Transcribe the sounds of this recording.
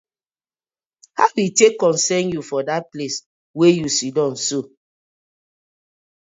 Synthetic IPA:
hawitekːɔ̃nsɛ̃njufɔdat̚ples | wejusidɔ̃nso

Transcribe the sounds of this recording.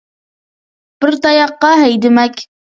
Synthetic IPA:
b̥ɪɾt̪ɑjɑqːɑɦɛjd̪ɪmɛkʲ

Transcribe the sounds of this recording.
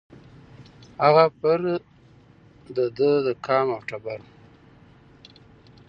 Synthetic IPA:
haɣapəɾ | d̪əd̪əd̪əkʰɑːmawʈabaɾ

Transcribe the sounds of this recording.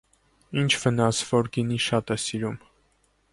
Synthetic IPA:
int͡ʃʰvənɑsvɔɾɡiniʃɑt̪ɛsiɾum

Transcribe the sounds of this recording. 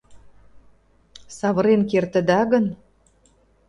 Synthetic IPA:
sɑβə̆ɾenkert̪ə̆d̪æɣən

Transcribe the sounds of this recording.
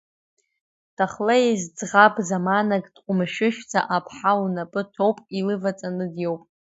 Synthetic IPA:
d̥ʰaχlazd͡zʁabʼzamanakʼd̥qʷʼʊmʃɪʃᶣt͡sʰa̰ʔapʰħawunapʼɨtʰowpʼilɨvat͡sʼanɨdjowpʼ

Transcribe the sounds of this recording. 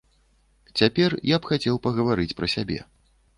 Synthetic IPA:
t͡sʲapʲɛrjapxat͡sʲɛwpɐɣɐvaɾɨt͡sʲpɾɐsʲabʲɛ̰

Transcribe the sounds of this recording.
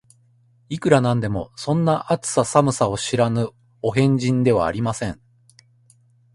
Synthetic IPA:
ikɯ̟ɾanãnd̪e̞mo̞̰sõ̞nːaʔat͡sɨ̥sasamɯ̟sao̞ɕiɾanɯ̟ | o̞ɦẽ̞ɲ̟d͡ʑĩnd̪e̞β̞a̰ːɾʲimasẽ̞ɴ

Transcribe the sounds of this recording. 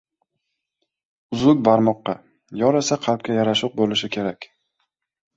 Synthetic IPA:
ʊzʊk̚ʲbaɾmɒqːɑ | jɒɾesaqʰɑlˠp̚kʲajaɾaʃʊq̚bolɪʃɪkʲʰe̞ɾakʲ

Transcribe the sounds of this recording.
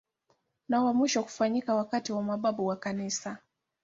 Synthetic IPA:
nawamwiʃɔku̥faɲikawakatiwamaɓaɓuwakanisa

